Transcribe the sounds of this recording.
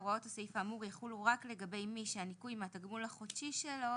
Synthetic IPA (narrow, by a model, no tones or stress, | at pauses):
ʁuo̞tasaifaːmuʁjaχuluʁakle̞ɡabe̞jmiʃeanikujmeat̪aɡmulaχotʃiʃelo̞